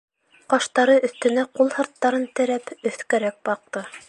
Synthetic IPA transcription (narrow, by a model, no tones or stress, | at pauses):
qɑʃt̪ɑɾɤʔɵ̆θt̪ɘ̆næqulˠhɤ̆ɾt̪ːɑɾɤnt̪ɘ̆ɾæpɵ̆θkæɾæk̚bɑq̚t̪ɤ